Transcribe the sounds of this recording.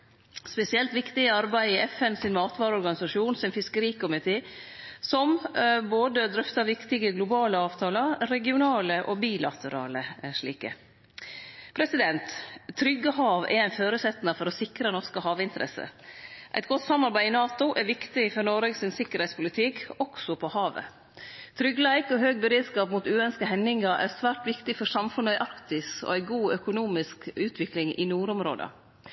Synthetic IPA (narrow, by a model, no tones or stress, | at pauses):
spɛsɪɛlt̪ʋɪkt̪ɪəɑɾbæɪɪɛfɛnsɪnmɑːt̪ʋɑːɾəɔɾɡɑnɪsɑʂuːnsɛnfɪskəɾiːkʊmɪt̪ʰeː | sɔmboːd̪əd̪ɾœft̪ɑɾʋɪkt̪ɪɡəɡlʊbɑːləɑːʋt̪ʰɑːləɾɾɛɡɪʊnɑːləʔobiːlɑt̪ʰəɾɑ̰ːləʂɭiːkə̰ | pʰɾɛsɪd̪ɛnt̪t̪ʰːɾʏɡːəɦɑːʋɛ̰ɾæɪnføːɾʉsɛt̪ːnɑfɔɾɔsɪkɾənɔʂkəhɑːʋɪnt̪əɾʔɛ̰sə̰ʔæ̰ɪt̪̚ɡɔt̪ːsɑmːɑɾbæɪɪnɑːt̪ʊʔɛɾʋɪkt̪ɪfɔɾnɔɾeɡsɪnsɪkːəɾhɛɪtspʊlɪt̪ʰɪkɔksɔpʰɔhɑːʋə̰ | t̪ʰɾʏɡːlæɪkɔɦøːɡbəɾeːd̪skɑːpmuːt̪ʉːœnskəɦɛnːɪŋɑɾʔæ̰ɾsʋæːɾʈʋɪkt̪ɪfɔʂɑmfʉɳæɪʔɑɾkt̪ɪsɔ̰æɪɡuːœkʊnuːmɪskʉːt̪ʰʋɪklɪŋʔɪ̰nuːɾʊmɾo̰ːd̪ə̰